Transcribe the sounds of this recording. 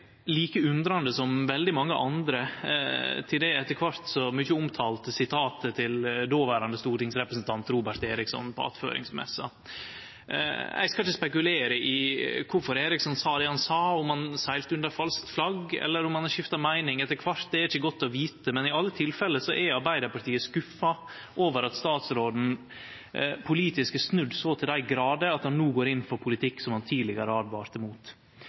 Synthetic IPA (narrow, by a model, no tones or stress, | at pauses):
liːkəʉnd̪ɾɑnd̪əsɔmʋɛld̪ɪmɑŋːəʔɑnd̪ɾə | t̪ʰɪld̪ɛɛt̪ːəɾkʰʋɑɾt̪sɔmʏçəʊmt̪ʰɑːlt̪əsɪt̪ʰɑːt̪ət̪ʰɪld̪oːʋæːɾɑnd̪əst̪uːɾʈɪŋsɾɛpɾəsn̩t̪ʰɑnt̪ɾuːbæʈt̪eːɾɪksɔ̰npɔ̰ɑ̰t̪fø̰ːɾɪ̰ŋsmɛ̰sːɑ̰ | ɛ̰ɪɡskɑlɪçəspɛk̬ʉleːɾəʔɪkʰʊɾfɔɾeːɾɪksɔnsɑːd̪ɛhɑnsɑːʊmhɑnsæɪlt̪əʉnd̪əɾfɑlskt̪flɑɡɛ̰lːəɾʊmhɑnæʂɪft̪ɑmæɪnɪŋɛt̪ːəkʰʋɑɾt̪̚d̪ɛæɾɪçːəɡɔt̪ːɔʋiːt̪əmɛnɪɑlːət̪ʰɪlfɛlːəsɔʔɛɑɾbæɪd̪əɾpɑɾʈʰiːəskʉfːɑ | ʔoːʋəɾɑt̪st̪ɑːt̪sɾoːd̪n̩ | pʰʊliːt̪ɪskəsnʉd̪ːsoːt̪ʰɪld̪æɪɡɾɑːd̪əɑt̪hɑnːuːɡoːɾɪnːfɔɾpʰʊlɪt̪ʰɪkːsɔmhɑnt̪ʰiːd̪lɪɡəɾəɑːd̪ʋɑːɾt̪ɛmuːt̪